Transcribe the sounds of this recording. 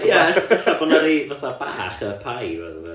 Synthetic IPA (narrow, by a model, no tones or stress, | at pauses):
jɛəθabɔnɔɾivaθab̥aːχəpʰajvɛðə